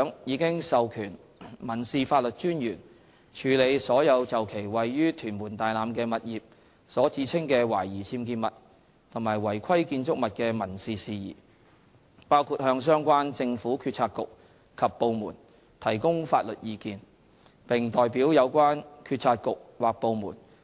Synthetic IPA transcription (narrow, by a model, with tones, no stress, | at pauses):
ŋjiː˨˧kɪ˥ŋsɐ˨wkʰyː˨˩n | mɐ˨˩nsiː˨faː˧t̚lɵ˨t̚t͡ʃyː˥njyː˨˩n | t͡ʃʰyː˨˧le˨˧jsɔː˨˥jɐ˨˧wt͡sɐ˨wkʰe˨˩jwɐ˨˩jːyː˥t̪ʰyː˨˩nmuː˨˩nt̪aː˨jlaː˨˧mkɛː˧mɐ˨t̚jiː˨p̚ | sɔː˨˥t͡siː˨˥t͡sʰɪ˥ŋkɛː˧wa̰ː˨˩jjiː˨˩t͡sʰiː˧mkiː˧nmɐ˨t̚ | t̪ʰʊ˨˩ŋmaː˨˩jwɐ˨˩jkʰɐ˥jkiː˧nt͡sʊ˥k̚mɐ˨t̚kɛː˧mɐ˨˩nsiː˨siː˨jḭː˨˩ | paː˥wkʰuː˧t̚hœː˧ŋsœː˥ŋkʷaː˥nt͡sɪ˧ŋfuː˨˥kʰyː˧t̚t͡sʰaː˧t̚kʊ˨k̚ | kʰɐ˨pːo˨˧wmṵː˨˩n | t̪ʰɐ˨˩jkʊ˥ŋfaː˧t̚lɵ˨t̚jiː˧kiː˧n | pɪ˨ŋt̪ɔː˨jpiː˨˥wjɐ˨˧wkʷaː˥nkʰyː˧t̚t͡sʰaː˧t̚kʊ˨k̚waː˨˩k̚po˨˧wmṵː˨˩n